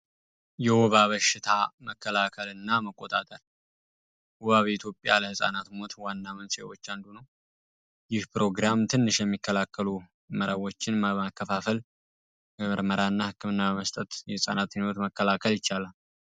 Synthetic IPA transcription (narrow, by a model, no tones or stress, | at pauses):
jɛwoβaβəʃɪt̪ʰaməkːəlakʰəlɨnːaməkʼːo̞t̪ʼat̪ʼəɾ | woβaβəit̪ʰjo̞pʼjaləhɨsʼa̰nat̪mo̞t̪ʰwanːamənse̞̰wo̞̰t͡ʃːand̪unəw | jɪhpɾo̞ɡɾamt̪ʰɨnːɨʃjɛmːikːəlakːəlu | məɾəwo̞t͡ʃːɪnmmakʰːəfafəl | bəmɨɾməɾaɨnːahɨkːɨmɨnːabəməst̪ʼət̪jɛhɨsʼa̰nat̪nwot̪məkːəlakʰəljɪt͡ʃːalal